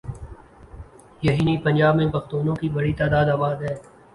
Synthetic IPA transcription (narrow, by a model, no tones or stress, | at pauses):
jɐɦiːnipɐ̃nd͡ʒaːbmẽpɐxt̪oːnõkibɐɽit̪aːd̪aːd̪aːbaːd̪ɦɛː